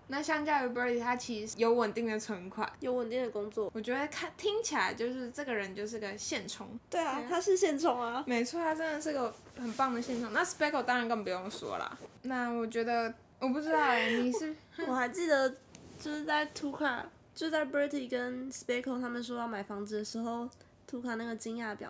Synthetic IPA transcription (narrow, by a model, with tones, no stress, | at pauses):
na˥˧ɕjɑ˥˧ŋt͡ɕjɑ˥˩ʊy˧˥bə˧˥t̪ʰi˨˩t̪ʰa˥t͡ɕʰi˧˥˧jo˧˥ʊwə˨˩nt̪i˥˩ŋd̪ə˩t͡sʰwə˧˥nkʰwa̰˨˩˦jo˧˥ʊwə˨˩nt̪i˥˩ŋd̪ə˩kʊ˥ŋt͡swɔ˥˩wɔ˨˩t͡ɕɥɛ˧˥d̪ə˧kʰa˥˩t̪ʰi˥ŋt͡ɕʰi˨˩la˧˦ɪt͡ɕjo˥˧ʊʂɻ̩˥˧ʈ͡ʂɤ˥˩ɡə˩ɻə˧˦nt͡ɕjo˥˧ʊʂ̬ɻ̩˥˩i˥ɡə˨˩ɕjɛ˥˩nʈ͡ʂʰʊ̰˧˥ŋt̪we˥˩ɪa˨˩t̪ʰa˥ʂɻ̩˥˧ɕjɛ˥˩nt͡sʰʊ˧˥ŋa˧me˧˥ɪt͡sʰwɔ˥˩t̪ʰa˥ʈ͡ʂə˥nd̪ə˨˩ʂɻ̩˥˩˥ɡə˩ | xə˨˩npɑ˥˨˩ŋd̪ə˩ɕjɛ˥˩nʈ͡ʂʰŋna˥˩spe˥ɪkʰo˨˩ʊt̪ɑ˥ŋɻa˨˦nkə˥˩pu˧˥jo˥˩ŋswɔ̰˦˥lɐ̰˨na˥˩wɔ˨˩t͡ɕɥɛ˧˥d̪ə˧ | wɔ˨˩p̬u˥˩ʈ͡ʂɻ̩˥t̪ɑ˥˩ʊni˨˩ʂɻ̩˥˩wɔ˨˩xa˧˥ɪt͡ɕi˥˩d̪ə˩˦t͡ɕjo˥˧ʊʂɻ̩˥˧t͡sa˥˩ɪt̪ʰu˧˥kʰa̰˨˩ | t͡ɕjo˥˧˥t͡sa˥˩ɪbə˥t̪ʰi˥˩kə˦nspe˥ɪkʰo˨˩ʊt̪ʰa˥mə˨nʂ̬wɔ˥jɑ˥˩ʊma˨˩ɪfɑ˧˥ŋt͡sɻ̩˧˩d̪ə˩ʂɻ̩˧˥xo˥˧˩ʊ | t̪ʰu˧˥kʰa˥˨˩na˥˩ɡə˩t͡ɕi˥ŋja˥˩pjɑ̰˨˩˦